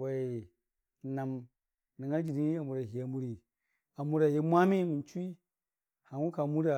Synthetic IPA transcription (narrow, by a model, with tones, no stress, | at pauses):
wa˨i˨ | na˨m | ni˨ŋɡa˦d͡ʒi˨ni˦i˦a˨mu˨ɾa˨ɦi˨ja˨mu˦ɾi˨ | a˨mu˦ɾa˨ja˦mʷa˦mi˦mi˨nt͡ʃi˦ | ha˨ŋu˦ka˨mu˦ɾa˨